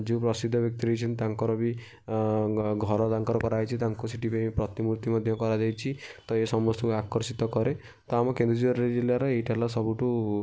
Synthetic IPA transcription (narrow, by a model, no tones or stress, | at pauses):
d͡ʒeupɾɔsid̪ʱːɔbjɔk̚t̪iɾɔjt͡ʃʰint̪aŋkɔɾɔbi | ɡʱɔɾɔt̪aŋkɔɾɔkɔɾajt͡ʃʰit̪aŋkusiʈipepɾɔt̪imuɾt̪imɔd̪ʱjɔkɔɾad͡ʒajt͡ʃʰit̪ɔesɔmɔst̪ɔkakɔɾsit̪ɔkɔɾe | t̪ɔamɔkend̪ɾɔd͡ʒibɔɾaɾed͡ʒilːaɾɔejʈʰalasɔbuʈu